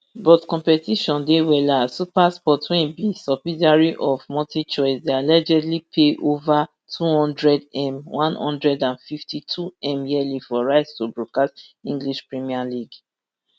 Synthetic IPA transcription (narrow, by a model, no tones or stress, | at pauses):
bɔtkɔ̃mpɛtiʃɔ̃ndewɛlasupaspɔtʰwĩnbisɔpidaɹiʔɔvmɔtit͡ʃɔɪsdealɛd͡ʒɛdlipʰeʔova | tʰuhɔ̃ndɹɛdɛ̃mwʔãnhɔ̰̃ndɹɛdãnfiftitʰuɛ̃mjiɛlifɔɹaɪstubɹukastĩŋɡliʃpɹimialiɡ